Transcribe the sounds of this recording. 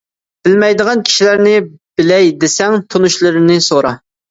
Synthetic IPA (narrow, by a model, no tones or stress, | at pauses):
b̥ɪlmɛjd̪əʁɑnkʲʰi̥ʃilæɾnɪbɪlɛjd̪esɛŋt̪ʰunuʃlˠɨɾɨnɪsoɾɑ